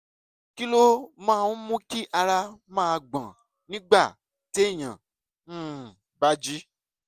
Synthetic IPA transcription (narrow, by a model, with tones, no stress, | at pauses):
ki˦lo˦mãː˦˨nũ˦mũ˦ki˦ʔa˧ɾa˧mãː˦˧ɡ͡bã˨ | nĩ˦ɡ͡ba˦˨ | te˦˨ɲã̰˨˦˨ | ba˦d͡ʒi˦